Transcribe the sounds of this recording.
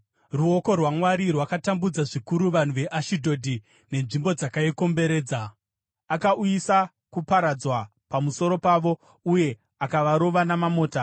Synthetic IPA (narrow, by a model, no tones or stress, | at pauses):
ruoko̞rwamwaɾirwakatambud͡zaʐikuɾuʋan̤uʋe̞ʔaʃidʱo̞dʱi | ne̞nʐimbo̞d͡zakaiko̞mbe̞ɾe̞ːd͡za | akaʔujisa | kupaɾad͡zwa | pamuso̞ɾo̞paʋo̞ | uje̞ | akaʋaɾo̞ʋanamamo̞ːta